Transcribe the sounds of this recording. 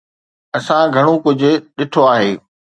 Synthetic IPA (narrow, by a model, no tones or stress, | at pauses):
ɐsãɡʱɐɽ̃okʊd͡ʑʱʊ̆ɗɪʈʰoaːɦeː